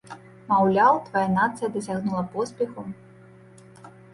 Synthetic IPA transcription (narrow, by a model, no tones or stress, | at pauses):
mawlʲawt̪vajanat̪sɨjɐd̪ɐsʲaɣnulˠɐpɔspʲɛxu